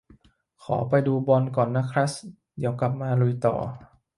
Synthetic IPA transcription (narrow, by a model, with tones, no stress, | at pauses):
kʰɔ̰ː˩˦pa˧jduː˧bɔ˧nkɔː˨˩nːa˦˧˥kʰɾa˦˥s | di˨˦˩əwka˨˩p̚maː˧lu˧jt̪ɔ̰ː˨˩